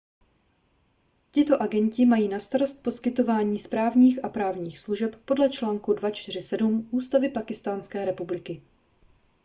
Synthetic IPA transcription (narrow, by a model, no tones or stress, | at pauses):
cɪt̪o̞ʔaɡɛɲcɪmajiːnast̪aɾo̞st̪̚po̞skɪt̪o̞vaːɲiːspɾaːvɲiːxʔapɾaːvɲiːxsluʒɛpːo̞dlɛt͡ʃlaːŋkudvat͡ʃt̪ɪr̝ɪsɛdumʔuːst̪avɪpakɪst̪aːnskɛːɾɛpublɪkɪ